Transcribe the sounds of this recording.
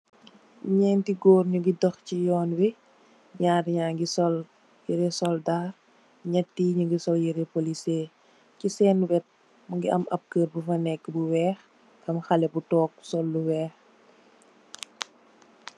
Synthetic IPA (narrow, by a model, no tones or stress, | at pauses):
ɲɛːntiɡoːrɲuɡidɔxcijɔːnwi | ɲaːɾɲaːŋɡisɔl | jiɾɛsɔldaːr | ɲɐtːiːɲuŋɡisɔljiɾɛpoliseː | cisɛːnwɛt̚ | mɐŋɡiʔɐ̰mʔɐp̚kəːɾbufɐnɛkːbuwɛːx | kɐmxɐlɛbutɔːk̚sɔlːuwɛːx